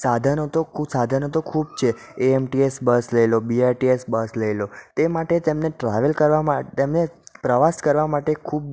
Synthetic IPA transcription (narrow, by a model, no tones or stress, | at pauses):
sad̪ʱanot̪okʰsad̪ʱanot̪okʰubt͡ʃʰe | eemʈiesbəsləelobiaɾʈiesbəsləelot̪emaʈet̪emneʈɾaʋəlkəɾʋamat̪emnepɾəʋaskəɾʋamaʈekʰub̚